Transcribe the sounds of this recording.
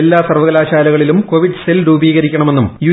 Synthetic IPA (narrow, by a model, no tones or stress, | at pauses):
elːaːsɐrʋɐɣɐlaːɕaːlɐɣɐɭilumkoʋiɖselɾuːbiːɣɐɾikʲːɐɳɐme̞nːumju